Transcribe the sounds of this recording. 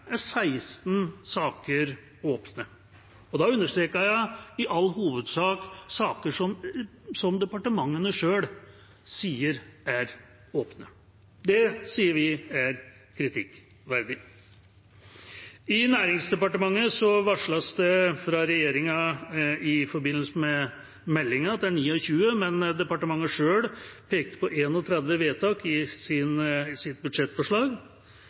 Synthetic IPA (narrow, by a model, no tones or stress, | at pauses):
æsæɪst̪nsɑːkəɾ | oːpnə | ɔd̪ɑʉnːəʂʈtɾeːkəjæɪɪʔɑlːɦuːʋəd̪sɑːksɑːkəʂɔmsɔmd̪ɛpɑʈəmɑŋːənəʂøːɽ | siːəɾæɾ | oːpnə | d̪ɛsiːəɾʋɪæɾ | kʰɾɪt̪ʰɪkː | ʋæɾd̪ɪ | ɪnæːɾɪŋsd̪ɛpɑʈəmɑŋːəsɔʋɑʂɭɑsd̪ɛfɾɑɾɛjeːɾɪŋɑ | ɪfɔɾbɪnːəl̩s̩mɛ | mɛlːɪŋɑt̪̚d̪ɛæɳiːɔçʉːəmɛnd̪ɛpɑʈəmɑŋːəʂøːɽpʰeːk̚t̪ə̥pʰɔʔeːnɔt̪ʰɾɛd̪ʋəʋeːt̪ʰɑːkɪsɪnsɪt̪̚bʉd̪ʂɛt̪ːfɔʂɭɑːɡ